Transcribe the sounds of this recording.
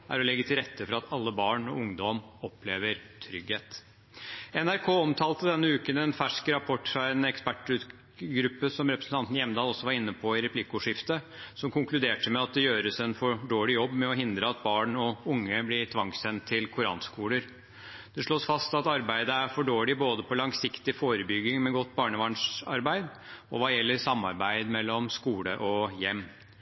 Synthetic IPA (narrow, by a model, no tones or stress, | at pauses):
ʔæ̰ɾɔlɛɡːət̪ʰɪlɾɛt̪ʰːəfɔɾɑɑt̪ʰɑlːəbɑːɳɔ̰ʊŋd̪ɔm | ɔpleːʋəɾt̪ʰɾʏɡheːt̪ | ɛnæɾkʰoːɔmt̪ʰɑːlt̪əd̪ɛnːəʉːkənɛnfæʂkɾɑpʰɔʈːfɾɑɛnɛkspæʈʉt̪ | ɡɾʉpːəsɔmɾɛpɾəsn̩t̪ʰɑnt̪n̩jɛmnd̪ɑːlɔsːɔʋɑɾɪnːəpʰɔɪɾɛpʰlɪkʊʂɪft̪ə | sɔmkʰʊŋklʉd̪eːʈəmɛɑt̪̚d̪ɛjøːɾəsɛnfɔɖoːɭɪjɔbːmɛɔɦɪnd̪ɾəɑt̪̚bɑːɳɔʊŋːəblɪt̪ʰʋɑŋsɛnt̪ʰːɪlkʰʊɾɑ̰ːnskuːləɾ | d̪̥ɛʂɭoːsfɑst̪ɑt̪ɑɾbæɪd̪əæɾfɔɖoːɭɪboːd̪əpʰɔlɑŋsɪkt̪ɪfoːɾəbʏɡɪŋmɛɡɔt̪ːbɑːɳəʋɑɳʂɑ̰ɾbæɪd̪ɔ̰ʋɑːjɛlːəɾsɑmːɑ̰ɾbæɪd̪mɛlːɔmskuːlə̰ʔɔjɛmː